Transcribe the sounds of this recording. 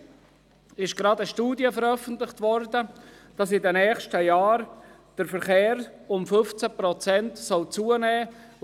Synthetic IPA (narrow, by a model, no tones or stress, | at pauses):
ɪʃɡ̥ɾɑdəʃtuːdiəfəɾœfən̩tlɪχtʋɔɾdəd̥ɑsɪdənɛːχʃtəjɑːɾ | d̥əɾfəɾχeːɾʊmfɵft͡səpɾɔt͡sɛntsɔlt͡suənɛː